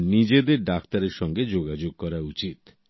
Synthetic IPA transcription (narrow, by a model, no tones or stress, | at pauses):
nid͡ʑed̪eɾɖakt̪aɾeɾʃɔŋɡed͡ʑoɡad͡ʑoɡ̚kɔɾaut͡ɕit̪